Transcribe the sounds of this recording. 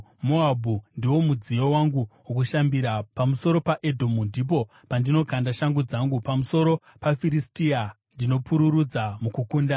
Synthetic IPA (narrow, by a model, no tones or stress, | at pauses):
moabʱundiwo̞mud͡zijo̞waŋɡuwokuʃambiɾapamuso̞ɾo̞paʔedʱo̞mundip̬o̞ | pandino̞kʰandaʃaŋɡud͡zaŋɡupamuso̞ɾo̞ | pafiɾistia | ndino̞puɾuɾud͡zamukukuːnda